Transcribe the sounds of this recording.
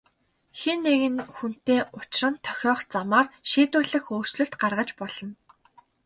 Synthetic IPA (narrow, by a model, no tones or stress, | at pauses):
xenːeɣɘ̆nxun̥t̪eːʔʊt͡ɕ̆rə̆nt̪ʰœ̥xʲɔːχt͡samaːrʃiːt̪ʊːɮə̆xoːr̥t͡ɕɮɵ̆ɬt̪ɢarʁə̆t͡ɕpɔɮ̥ɞ̆n